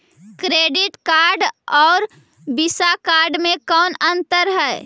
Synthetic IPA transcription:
kɾeːɖɪʈkaːɾɖɔːɾ | bisakaːɾɖmẽkɔːnənt̪əɾɦɛ

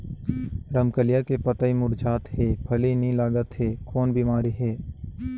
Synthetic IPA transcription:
ɾəmkəlijakepət̪aimʊɾd͡ʒaːt̪ɦeːbʰʱɐlenĩlaːɡət̪ɦeːkɔːnbiːmaːɾiɦeː

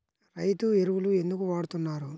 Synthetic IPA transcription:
ɾɐjt̪ueɾuwulue̞nd̪ukuʋaːɽut̪unːaːɾu

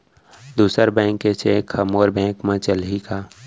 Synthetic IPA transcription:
d̪uːsəɾbɛ̃ːkːet͡ʃʰekʰəmoːɾbɛ̃ːkmẽt͡ʃəlɦikaː

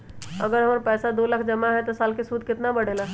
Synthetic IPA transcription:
ə̰ɡəɾɦəməɾpɛsad̪oləkʰd͡ʒəmaɦɛt̪ɔsaːlkesud̪ʱkɪt̪nabəɽ̤ela

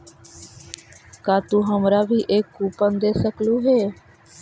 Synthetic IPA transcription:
kaːt̪uːɦəmɾaːbʱiːʔeːkːuːpənd̪eːsəkluːɦeː

